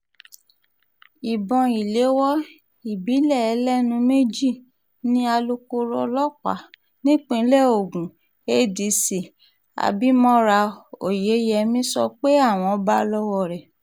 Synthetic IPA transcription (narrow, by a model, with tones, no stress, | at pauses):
i˨bɔ̃˨i˨le˨˦wɔ˦ | i˨bi˨˦lɛ˦˨ɛ˧˦lɛ˦nũ˧me˦d͡ʒi˦˨ | nĩ˦a˧lo˧ko˧ɾɔ˧lɔ˦k͡pa̰˨ | nĩ˦k͡pĩ˧˦lɛ˦˨o˨ɡũ˨ | e˧di˨˧si˨ | a̰˨bi˦mɔ̃˦ɾa˧o˨je˨˦jɛ˧mĩ˦sɔ˧k͡pe˦a˦˨w̃ɔ̃˧˦ba˦˧lɔ˦wɔ˦˨ɾɛ˨